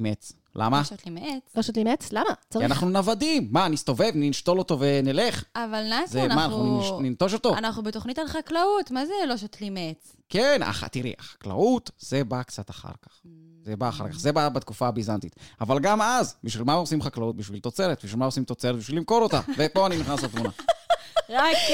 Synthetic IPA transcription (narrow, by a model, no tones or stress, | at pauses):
met͡s | lʔa̰maʃot̪limet͡sloʃot̪limet͡slamat͡saianaχnunavadimːanist̪o̞ve̞vniʃt̪o̞lo̞to̞ve̞nele̞χavalnazenmanaauʃnint̪o̞ʃo̞t̪o̞anaχnubet̪oχnitalχaklautmazeloʃot̪limet͡s | kena̰χa̰t̪iʁḭʔaχḁkla̰ut̪z̥e̞bakt͡sat̪aχa̰ʁkḁχ | zebaːχa̰ʁkaχzebabat̪kufaːbizant̪it̪avalɡamazbiʃvilmaosimχaklaut̚biʃvilt̪ot͡se̞ʁet̚biʃvilmaosimt̪o̞t͡seɾet̪̚biʃvilimko̞ɾo̞tavepo̞aniniχnasatmunna | ʁak